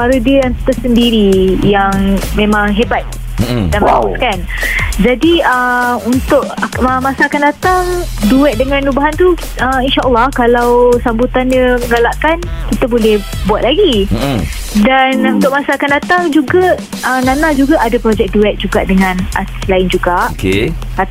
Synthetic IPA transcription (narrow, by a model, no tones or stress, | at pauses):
paɾudiəjaŋit̪əsəndiɾijaŋmẽmãŋɦebat̪̚ | danmauskand͡ʒadiəunt̪ʊʔəmasaːkandat̪aŋ | duɛt̪̚dəŋãnubaɦant̪u | əinʃaʔəlːɑhkalawsambut̪anəməŋɡalaʔkankit̪əbolɛh | buat̪̚laɡi | danunt̪ʊʔ̚masaːkandat̪aŋd͡ʒuɡa | ənanad͡ʒuɡaʔadapɾod͡ʒɛk̚duɛk̚d͡ʒuɡa̰ʔdəŋãna̰rt̪ɪ̥slaɪnd͡ʒuɡaʔke | a